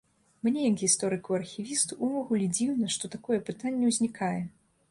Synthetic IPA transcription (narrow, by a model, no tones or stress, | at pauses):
mnʲɛjɐkɣʲist̪ɔɾɨkuɐrxʲivʲist̪uʔuvɔɣulʲɛd͡zʲiwnɐʂt̪ɔt̪akɔjɛpɨt̪anʲːɛwzʲnʲikajɛ